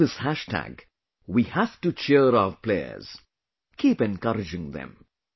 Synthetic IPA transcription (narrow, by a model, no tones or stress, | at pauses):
ɪshæʃʈʰæ̰ɡ | wihæfʈut͡ʃɛɾaɾpleə̰z̥ | kʰiːpɛ̃nkʌɾɪd͡ʒɪ̃ŋd̪ɛ̰̃m